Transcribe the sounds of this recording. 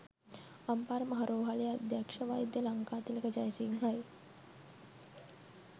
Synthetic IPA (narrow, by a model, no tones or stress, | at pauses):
ɐmpaːɾəmɐɦɐɾoːɦalijad̪jakʂɐʋaːid̪jəlɐŋkaːt̪ilɐkəd͡ʒajsiŋɦaj